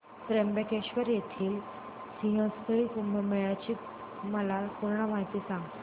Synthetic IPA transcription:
p̪ɾembekeɕʋəɾjet̪ʰiːl | sĩɦə̃spəɭituməmeɭat͡ɕiː | məlapuɾɳəmaɦit̪iːsãŋɡ̪

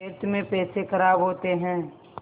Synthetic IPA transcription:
eːɾt̪mẽpɛːsekəɾaːbɦoːt̪eɦɛ̃ː

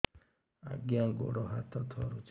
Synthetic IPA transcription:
a̰ɡɪaŋ̩ɡo̰ɾɔɦatɔtʰɔɾʊt͡ʃ

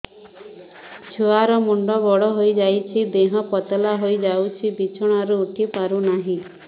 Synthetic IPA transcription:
t͡ʃʰuaɾɔmuɳɖɔbɔɽɔɦojd͡ʒajt͡ʃʰid̪eɦɔpɔt̪ɔlaɦojd͡ʒawt͡ʃʰibit͡ʃʰɔɽ̃aɾuːʈʰipaɾunaɦĩ

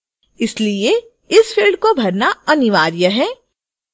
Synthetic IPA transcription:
ɪslie | ɪsfʰɪlɖkobʱɐɾnaɐnɪʋaːɾjəɦɛː

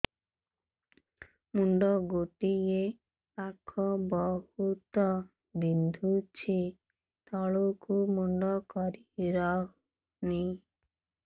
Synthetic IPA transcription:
muɳɖɔɡoʈie | akʰɔbɔhut̪ɔ | bind̪ʱut͡ʃʰi | t̪ɔɭokumuɳɖɔkɔɾiɾɔ | ni

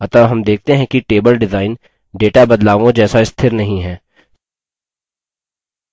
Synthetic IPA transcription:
ɐt̪aɦɐmd̪eːk̚ʰt̪eɦɛ̃kiʈeːbəlɖɪzaːɪn | ɖeːʈabɐd̪laːʋõd͡ʒɛːsaɪst̪ʰɪɾnɐɦĩɦɛː

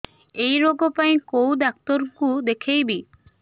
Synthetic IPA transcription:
ejɾoɡopaĩkowd̪ak̚t̪ɔɾkud̪ekʰejbi

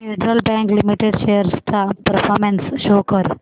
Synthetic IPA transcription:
eɖɾəlbɛ̃ŋklɪmiʈeɖʃeːjəɾst̪apəɾfɔːɾmensʃoːkəɾ

